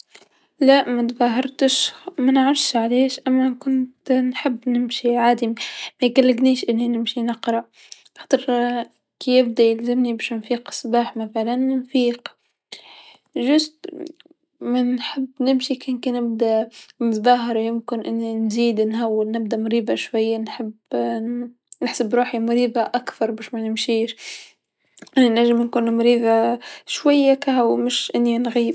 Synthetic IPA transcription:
laʔmat̪baːɦɑɾˤt̪ɪʃmanʕʊʃʕaleːʃʔamːakʊnt̪nħɪbːnɪmʃiʕaːd̪immajɡalːɪɡniːʃʔɪnːinɪmʃinɑqɾˤɑʔ | xɑ̥t̪ˤɾ | kijɪb̚d̪ajɪlzɪmnibʃɪnfiːqsˤbaːħmafaʕlanːɪnfiːq | ʒʊz | manħɪbːnɪmʃikɪnkinɪb̚d̪amɪt̪ðɑɦɑɾˤjɪmkɪnʔɪnːinziːd̪nɦawːɪlnɪbd̪amʊɾiːbaʃwajːanħɪb | nɪħsabɾuːħimʊɾiːbaʔakθɑɾˤbaːʃmanɪmʃiːʃ | ʔɪnːinaʒɪmnkuːnmʊɾiːðaʃwajːakahawmɪʃʔɪnːinɣiːb

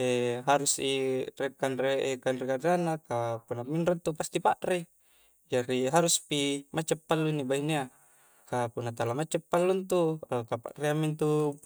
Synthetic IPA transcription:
eɦaɾusirekanreʔekanrekadanːakapunːaminɾant̪upast̪ipaʔre | d͡ʒaɾiɦaɾuspimat͡ʃepːalːunːibainea | kapunːat̪alamat͡ʃːepːalːunt̪uakapa̰ʔreamːint̪u

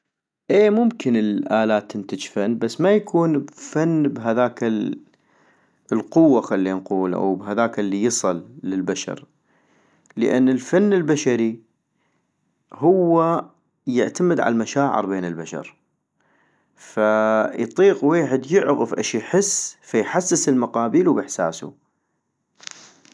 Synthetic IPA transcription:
ʔeːmʊmkɪnəlʔaːlaːt̪ːɪnt̪ad͡ʒfanːbasːmajakʰuːnbfanːbɦaðaːk | lqʊwːaxalːinquːlʔa̰wbɦaðaːkalːijɨsˤɨlːəlbaʃɑ̰ɾ | lə̰ʔanːəlfanːɪlbaʃaɾi | hʊwːa | jɪʕt̪aməd̪ʕa̰lamaʃaːʕɪ̰ɾbeːnəlbaʃɑ̰ɾˤ | fajt̪ˤiːqweːħɪd̪jɪʕɣəfʔɪʃjħɪsːfajħasːɪsəlmaqɑːbiːluwbɪħsa̰ːsṵ

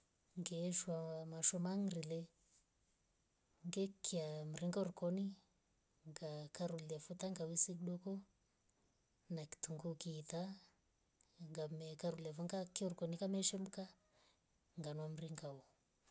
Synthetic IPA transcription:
ŋɡɛʃwamaʃɔmaŋɾilɛ | ŋɡɛkʰːiam̩ɾiŋɡaɔɾukɔni | ŋɡakaɾuliafutaŋɡawisiɗɔkɔ | naki̥tuŋɡukiːta | ŋɡamɛkaɾuliavɔŋɡakːiɔɾukɔnikamɛʃɛm̩ka | ŋɡanwam̩ɾiŋɡaɔ

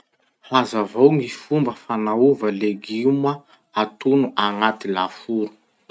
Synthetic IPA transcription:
hazavawŋifumbəfanauvəleɡiuma | at̪unuʔaŋat̪ilafuɾu̥

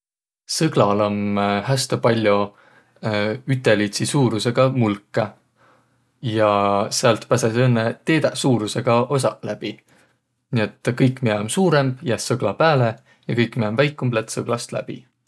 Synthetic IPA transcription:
sɤɡ̥lɑlomɦæst̪ɑpɑlʲːjo | yt̪ːˑe̞lit̪sisuːɾuse̞ɡ̥ɑmulkːˑɑ | jɑseɑlt̪pæsesenːet̪eːd̪ɑsuːɾuse̞ɡ̥ɑʔo̞s̬ɑlæb̥i | nie̞t̪ːˑkɤjkːˑmieomsuːɾe̞mb̥jæsːɤɡ̥lɑpæːle̞ | jɑkɤjkːˑmiemvæjkːˑumblet̪sɤɡ̥lɑst̪læ̰b̥ḭ

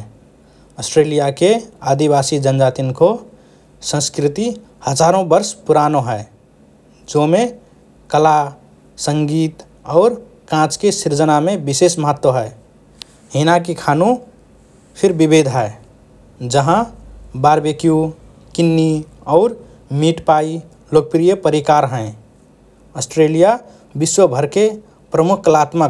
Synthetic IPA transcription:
əsʈɾelijakeaːd̪ibaːsid͡ʒənd͡ʒaːt̪inko | sə̃skɾɪt̪i | həd͡ʒaːɾõbəɾspuɾaːnoɦɛe | d͡ʒome | kəla | sə̃ŋɡiːt̪ | ɔːɾ | kãt͡ʃkesiɾd͡ʒənamẽbɪseːsməɦət̪ːwəɦɛe | ɦinak̬ikʰanũ | pʰɪɾbibed̪ʱɦɛe | d͡ʒəɦãbaɾbekiju | kinːiɔːɾ | miʈpai | lok̚pɾijəpəɾikaɾɦɛ̃ | əsʈɾeːlija | biswəbʱəɾke | pɾəmukʰklat̪ma

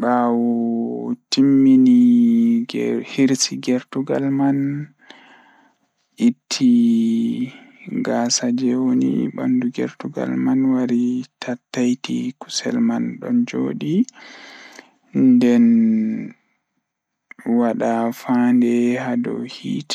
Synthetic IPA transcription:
ɓawɔtimːini | hiɾsiɡɛɾtuɡa̰lman | ʔitʰːi | ɡasad͡ʒɛwonḭɓa̰nduɡɛ̰ɾtuɡa̰lmanwaɾitʰatːajtḭku̥sɛ̰lmanɗɔnd͡ʒoːɗi | ndɛn | waɗafandɛhadɔ̰hiːt

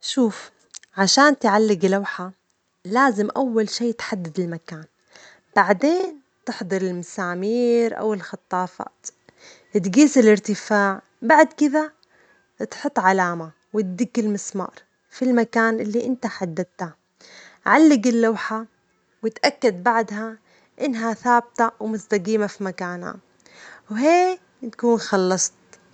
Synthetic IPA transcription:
ʃuːf | ʕaʃaːnt̪ʕalːɪɡlawħa | laːzɪmʔawːalʃiːt̪ħad̪ːad̪ɪlmakaːn | b̥aʕd̪eːn | t̪ɪħd̪ˤɑɾˤɪlmasaːmiːɾʔa̰wɪlxɑt̪ˤːɑːfɑ̰ːt̪ | t̪ɡiːsɪlɪɾt̪ɪfaːʕ | baʕd̪kɪða | t̪ħʊt̪ˤːʕalaːma | wɪt̪d̪ɪɡːɪlmɪsmɑ̰ːɾˤ | filmakaːnʔɪlːiʔɪnt̪aħad̪ːad̪̚t̪ha | ʕalːɪɡɪlːawħa | wɪt̪ʔakːad̪̚baʕd̪ɦa | ʔɪnːɦaθaːb̚t̪awmʊzt̪aɡiːmafimakaːnha̰ | wɦeː | t̪ḁkuːnxɑlːɑsˤt̪

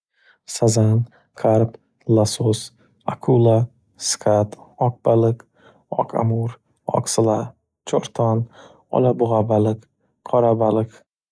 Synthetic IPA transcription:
sazan | kʰaɾp | lasos | akʰula | skʰat̪ɒk̚b̥alɨk | ɒ̰kʰa̰muɾ | ɒ̰ksɨla | t͡ʃʰɒɾt̪ʰɒn | ɒ̰labʊʁabalɨk | qʰɒɾabalɨk

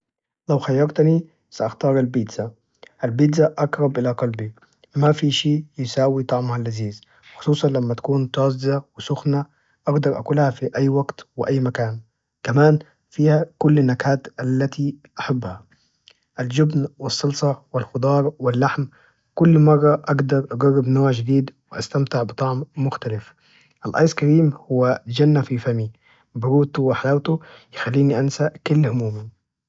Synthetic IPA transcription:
lawxajːɑɾˤt̪ni | saʔaxt̪ɑːɾˤalbiːd̪za | ʔalbiːd̪zaʔɑkɾˤɑbʔɪlaqɑlbi | wmafiʃiːjɪsaːwit̪ˤɑʕmhalʔaziːz | xʊ̥sˤuːsˤɑnlamːat̪ḁkuːnt̪ɑːzzawɪsʊxna | ʔɑɡd̪ɑɾˤʔa̰kulhafiʔajːwaɡt̪wɪ̰ʔajːmakaːn | kamaːn | fiːhakʊlːanːakaːt̪ʔalːat̪iʔaħabːha | ʔald͡ʒʊbnwɪsˤːɑlsˤɑwɪlxʊd̪ˤɑːɾˤwɪlːaħm | kʊlːmɑrˤːɑʔɑɡd̪ɑɾˤʔɑɡɑrːɪbnoːʕd͡ʒɪd̪iːd̪wɪʔa̰st̪amt̪ɪʕbɨt̪ˤɑʕmːʊxt̪alɪf | ʔalʔɑ̰jskaɾiːmhʊwːad͡ʒanːafifami | bʊɾuːt̪wɪħalawt̪ʊjɪxalːiːniʔansakʊlːhʊmuːmi

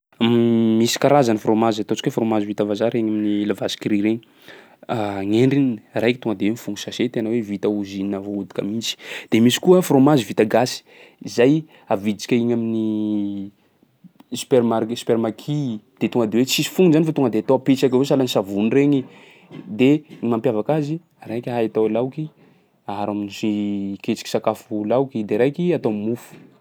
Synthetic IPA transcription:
misi̥kaɾazanifromazat̪ot͡sikwefromazivit̪avazaɾeɲaminilavasi̥kiriɾeɲi | aŋeɳɖ͡ʐininrajki̥t̪oŋɡəd̪ewemifuŋusaset̪enəwevit̪auzininavoud̪i̥kə̰mint͡si̥d̪̥emisi̥kuəfromazivit̪aɡasi̥ | izaj | avid̪t͡si̥kʲaiɲamini | sy̥peɾmasy̥peɾmakʰid̪̥et̪uŋɡəd̪eweisi̥fuŋunzanifat̪uŋɡəd̪eat̪oapet͡ʃakavosalanisavunreɲi | d̪eimampjavakazi | ɾajkʲaɦait̪awelawki | aɦaɾaminisiket͡ʃi̥ki̥sakafulawkid̪eɾajkiat̪omufu̥

